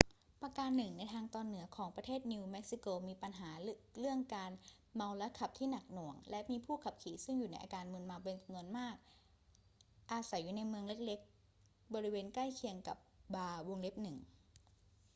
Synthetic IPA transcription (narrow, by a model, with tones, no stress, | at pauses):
pa˧kaː˧nːɯ˨˩ŋna˧jt̪ʰaː˧ŋt̪ɔː˧nːɯ˩˦ɐkʰɔː˩˦ŋpɾa˧t̪ʰeː˥˩t̪̚ni˧wme˦˥k̚si˧˦˥koː˧miː˧pa˧nɦaː˩˦lɯ˥˩əŋkaː˧n | ma˧wla˦˥kʰa˨˩p̚t̪ʰiː˥˩na˨˩k̚nu˨˩˦əŋlɛ˦˥ʔmiː˧pʰuː˥˩kʰa˨˩p̚kʰiː˩˦sɯ˥˩ŋjuː˨˩na˧jʔa̰ː˧kaː˧nmɯ˧ənma˧wpe˧nt͡ɕa˧mnu˧ənmaː˥˩k̚ | ʔaː˧sa˩˦jːuː˨˩na˧jmɯ˧əŋle˦˥k̚le˦˥k̚ | bɔː˧ɾi˦˥weː˧nkla˥˩jkʰi˧əŋka̰˨˩p̚baː˧wo˧ŋle˦˥p̚nɯ˨˩ŋ